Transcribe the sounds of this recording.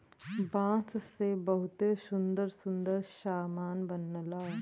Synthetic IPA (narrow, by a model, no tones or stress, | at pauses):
bãːt͡ssebɐɦʊt̪esʊ̃nd̪əɾsʊ̃nd̪əɾʃaːmaːnbənːəlaː